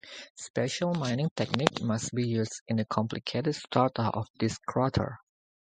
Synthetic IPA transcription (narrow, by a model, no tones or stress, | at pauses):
spɛʃəlˠmãɪ̃nɪ̃ŋtʰɛk̚nikmasbijuzdɪ̃nəkʰɔ̃mplikʰetədstʰaɹtəpɔfd̪ɪskʰɹɔtʰə̰˞